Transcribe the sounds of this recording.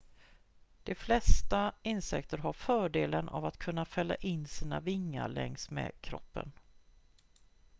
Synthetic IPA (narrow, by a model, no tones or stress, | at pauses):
d̪̥ɛflɛst̪aɪnsɛ̰kt̪əɾɦaɾfœːɖeːlənʔa̰vat̪kʰɵnːafɛlːa̰ʔɪnːsiːnavɪŋːa̰ɾɭɛŋsmɛ̰ːkʰɾɔ̰pːə̰n